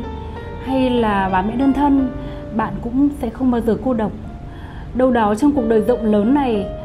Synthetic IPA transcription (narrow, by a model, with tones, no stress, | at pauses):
ha˧jlaː˨˩ɓaː˨˦mḭ˧˥ɗə˧ənt̪ʰə˧n | ɓa̰ː˧˨nkʊ̰˧˥ŋ͡msɛ̰˧˥xə˧wŋ͡mməː˨˦zɨː˧˩ko˧ɗə˨˩wk͡p̚ | ɗə˧wɗɔ˨˦t͡ɕɔ˧ŋ͡mku˨˩ək̚ɗəː˨˩jzə̰˧˨wŋ͡mləː˨˦nːa˨˩j